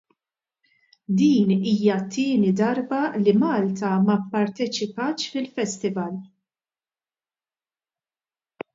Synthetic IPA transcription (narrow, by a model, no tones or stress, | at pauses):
d̪iːniːjɐt̪ʰːɪːnid̪ɐɾbɐlimɐːlt̪ɐmɐpːɐɾt̪ɛt͡ʃɪpɐːt͡ʃfɪlfɛst̪ɪvɐl